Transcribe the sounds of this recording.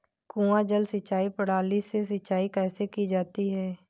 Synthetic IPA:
kũːãd͡ʒəlsət͡ʃːaːipəɽ̤aːlises̬ət͡ʃːaːikɛːsekid͡ʒaːt̪iɦɛː

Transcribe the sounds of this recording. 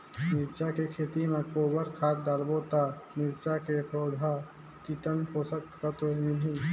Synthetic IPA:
mɪɾt͡ʃakekʰeːt̪imẽkoːbəɾkʰaːt̪̚d̪aːlbot̪amɪɾt͡ʃakepɾoːd̪ʱa | kit̪ənkoːsək̚t̪kət̪oinĩ

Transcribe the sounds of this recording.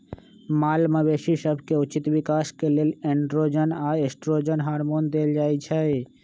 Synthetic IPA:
malməbeʃisəbʱkeut͡ʃit̪bikaskeleleɳɖɾod͡ʒənaesʈɾod͡ʒənɦaɾmond̪eld͡ʒajt͡ʃʰɛe

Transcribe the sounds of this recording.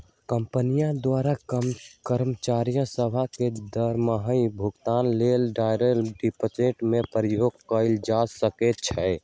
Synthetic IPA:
kəmpənijãd̪waɾakkəɾmət͡ʃaɾijə̃səbʱaked̪əɾməɦəibʱuɡt̪anlelɖajɾelɖipət͡ʃeʈmepəɾəjoɡkəɪld͡ʒasəkɛt̚t͡ʃʰɛ

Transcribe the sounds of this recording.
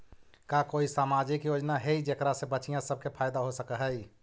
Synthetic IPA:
kakoːisaːmad͡ʒikjoːd͡ʒnaɦeid͡ʒekɾasebəːt͡ʃijãsəb̚kepʰaːɪd̪aɦosəkəɦəi

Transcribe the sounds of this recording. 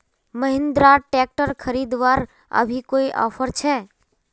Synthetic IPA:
məɦɪ̃nd̪ɾaʈɛk̚ʈəɾkʰəɾiːd̪ʋaːɾ | ə̰bʱikoiʔɔ̰ːpʰəɾt͡ʃʰɛ

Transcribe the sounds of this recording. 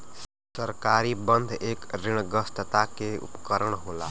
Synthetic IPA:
sʌɾkaɾibʌnd̪ʱekɾiɽ̃ɡʌst̪ət̪akeṵpkəɾəɽ̃ɦola̰

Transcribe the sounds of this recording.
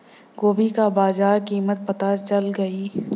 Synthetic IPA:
ɡoːbikabaːzaːɾkiːmət̪̚pɐt̪at͡ʃɐlɡɐiː

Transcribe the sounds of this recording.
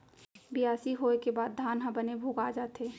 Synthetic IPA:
bɪjaːsiɦoekebaːd̪̚ːʱaːnɦãbənebʱuːɡaːd͡ʒaːt̪eː

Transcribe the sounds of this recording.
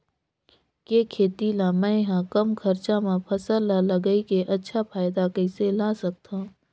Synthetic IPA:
keːkʰeːt̪ilãmɛ̃ɦãkɐmkʰɐɾt͡ʃamãpʰɐsəlːaləɡəikeʔɐtːʃʰapʰaːɪd̪akəɪselaːsək̚t̪ã

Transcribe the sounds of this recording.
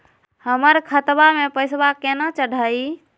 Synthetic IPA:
həməɾkʰət̪bamẽpəɪsbakenat͡ʃəɽʱai

